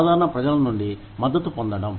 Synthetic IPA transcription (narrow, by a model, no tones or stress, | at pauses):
d̪ʱaːɾɐɳɐpɾɐd͡ʒɐlɐnuɳɖi | mɐd̪ːɐt̪ːupond̪ɐɽɐm